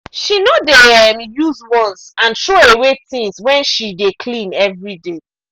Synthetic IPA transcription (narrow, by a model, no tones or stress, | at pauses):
ʃinodeɛmjuzwɔ̃nsãnʃoewetĩŋswɛ̃nʃidekʰlĩnɛvɹide